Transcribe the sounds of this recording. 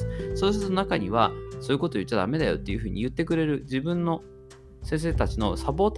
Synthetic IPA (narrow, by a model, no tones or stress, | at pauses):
soːsɨɾnonakaɲ̟iβ̞asoːjɯ̟ko̞t̪oːjɯ̟t͡ɕːad̪a̰me̞d̪ajo̞̰t̪ːe̞jɯ̟ɸɯ̟ːɲ̟ḭjɯ̟t̪ːe̞kɯ̟ɾe̞ɾɯ̟d͡ʑibɯ̟̃nːo̞ | sẽ̞ɰ̃s̬e̞ːt̪at͡ɕino̞sapo̞ːt̪